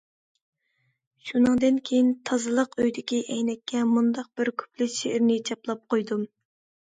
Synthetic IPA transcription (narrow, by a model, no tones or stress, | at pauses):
ʃunɨŋd̪ɨnkʲʰejint̪ʰɑzɨlˠəqøjd̪ɪkʲiʔɛjnɛkʲːɛmund̪ɑq̚b̥ɪɾkʲʰø̥plɪʃeʔɪɾnɪt͡ʃʰɑplˠɑp̚qʰojd̪um